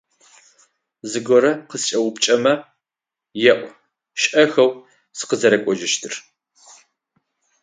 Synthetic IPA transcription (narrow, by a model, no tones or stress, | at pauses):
zɨɡʷɔɾɐqəst͡ʃʼɐwʊpt͡ʃʼɐmɐ | jɛʔʷ | ʃʔɐxɐw | sɨ̥qəzɐɾɐkʷʼɔʒɪʃtʰɨr